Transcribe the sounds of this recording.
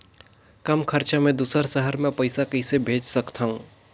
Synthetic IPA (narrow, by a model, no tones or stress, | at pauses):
kɐmkʰəɾt͡ʃamẽd̪uːsəɾsəɦəɾmẽpəɪsakɐɪsebʱeːd͡ʒsəkt̪ʰaɦũː